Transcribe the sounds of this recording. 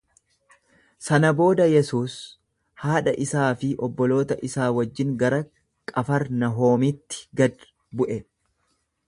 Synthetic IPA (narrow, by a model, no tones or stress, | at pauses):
sɐnɐbo̞ːd̪ɐjɛsuːs | haːᶑɐʔɪsaːfɪʔɔbːɔlo̞ːt̪ɐʔɪsaːwɐd͡ʒːɪŋɡɐɾɐ | kʼɐfɐɾnɐɦo̞ːmɪt̪ːɪ̥ɡɐd̪ | bʊʔɛ